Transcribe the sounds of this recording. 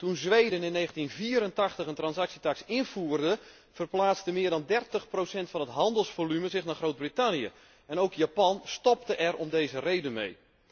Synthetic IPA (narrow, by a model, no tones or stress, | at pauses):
tunzʋejdənɪnːeːɣəntinviːəɾəntɑχtəχəntrɑnsaksitaksɪnv̥uərdə | v̥ərplaːt͡stəmɪərdɑndɛrtəχprowsɛntfɑnətɦɑndəlˠsfolymənzɪχnaːχrowd̚britanjə̰ | ɛnowkjaːpɑnstɔp̚təʔɛrɔmdejzərejdənmḛj